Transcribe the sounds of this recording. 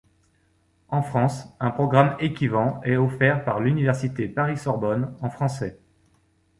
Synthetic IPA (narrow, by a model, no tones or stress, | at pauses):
ɑ̃fχɑ̃sɛ̃pχɔɡʁamekʲivɑ̃ɛɔfɛʁpaʁlynivɛʁsit̪epaʁisɔʁbɔnɑ̃fχɑ̃sɛ